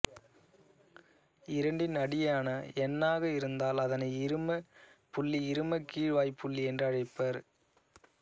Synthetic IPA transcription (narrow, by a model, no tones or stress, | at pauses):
ɪɾɐɳɖɪnɐɽɪjaːnɐɛnːaːɣɐɪɾɯnd̪aːlɐðɐnɐɪɪɾɯmɐpʊɭːiɪɾɯmɐkiːɻʋaːjpːʊɭːiɛndrɯɐɻɐɪpːɐɾ